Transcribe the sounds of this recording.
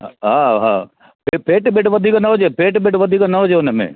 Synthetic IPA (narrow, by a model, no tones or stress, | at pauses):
ɦaːɦaː | pepeːʈbeːʈʋɐd̪ʱikanɐɦod͡ʒepeːʈbeːʈʋəd̪ʱikanɐɦoːd͡ʒeʊnəmḛ̃